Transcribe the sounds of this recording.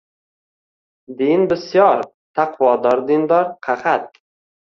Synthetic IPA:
d̪inbɪsjɒɾ | t̪ʰaqʰvɒd̪ɒɾd̪ɪnd̪ɒɾqʰaχat̪̚

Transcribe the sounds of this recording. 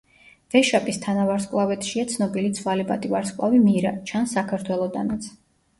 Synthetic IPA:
v̥ɛʃapʼist̪ʰanavaɾskʼlˠavɛt̪ʰʃiat̪sʰnɔbilit̪sʰvaliba̰t̪ʼivaɾskʼlˠavimiɾat͡ʃʰansakʰaɾt̪ʰwɛlˠɔd̪anat̪sʰ

